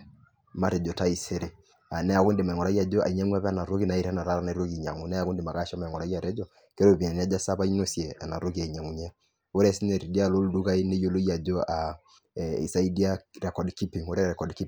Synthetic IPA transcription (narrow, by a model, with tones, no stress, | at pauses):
ma˦˨ɾe˨d͡ʒɔ˨ta˦i˨se˦ɾe˨ | a˨nɛ˦a˨ko˦nde˨ma˨ŋɔ˨ɾa˦i˦a˨d͡ʒo˦a̰˨i˨ɲa˦ŋwa˦βɛ˦a˦na˨ɾo˦ki˦na˨i˦ɾɛ˦na˨ɾa˦ɾa˨na˨˦ɾo˦ki˨ɲa̰˨ŋo˨nɛ˦a˨ko˦nde˨ma˨ka˦ʃɔ˦ma˨ŋɔ˨ɾa˨˦ija˨ɾe˦d͡ʒɔ˦˨ | ke˦ɾo˦˨βi˨ɛ˨n˦a˦d͡ʒa˦sa˦βa˦i˦no˨sjɛ˨a˨na˨ɾo˦ki˨a˨i˨ɲa˨ŋu˨ɲɛ˦ | o˦ɾɛ˦si˦nɛ˨ɾi˨di˦a˦˨lo˦ldu˦ka˦i˦ne˦jo˦lo˦i˦a˨d͡ʒo˦a˨ | ḭ˨sa˦i˦di˦a˦ɾɛ˨kɔ˨dki˦pi˨ŋo˦ɾɛ˦ɾɛ˨kɔ˨dki˦